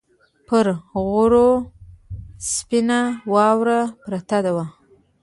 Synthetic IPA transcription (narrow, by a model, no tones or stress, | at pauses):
pəɾɣʊɾo | spɪnawɑwɾapɾat̪ad̪awa